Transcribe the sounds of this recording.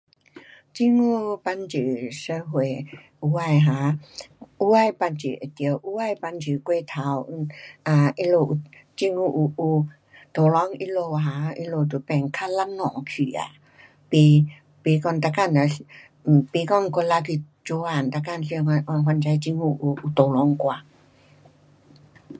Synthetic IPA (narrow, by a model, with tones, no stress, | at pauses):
t͡ɕi˧ŋu˧pa˧nt͡ɕi˨sə˧ɦwe˨ | u˧˦a˧˨jɦa˨˧˦ | u˧˦a˧˨jpa˧nt͡ʃḭ˨ʔe˨t̪i˧ə˧wʔu˧˦a˧jpa˧nt͡ʃi˨kwe˧˨t̪ʰa˧˦wa˧˨i˧lo˧˨ʔu˧ | t͡ɕi˧ŋu˧ʔu˧ʔu˧ | t̪o˨lɔ˧˦ŋʔi˧lo˧ɦa˧˦i˧lo˧˨t̪u˧pɛ˧˨ŋkʰa˧˥˨la˧˥ŋnɔ˨ŋkʰi˨a̰˨ | pi˧˦ | pi˧˦kɔ˧˨nt̪a˧ka˧˨na˨˧˨ | pi˧˦kɔ˧˨nko˧˦la˧ki˧ | t͡ʃo˧˦wa˧˨nt̪a˧ka˧˨nɬi˧ŋa˧ʔɔ˧˨nɦwa˧nt͡ɕa˧jt͡ɕi˧ŋhu˧ʔu˧u˧t̪o˨lɔ˧˦ŋkʷa˧˨